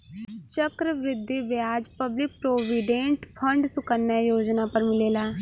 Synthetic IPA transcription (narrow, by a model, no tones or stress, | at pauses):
t͡ʃəkɾəʋɾɪd̪ːiːʋjaːd͡ʒpəblɪk̚pɾoːʋiɖẽɳʈpʰəɳɖsʊkənːɛːjoːd͡ʒnaːpəɾmɪleːlaː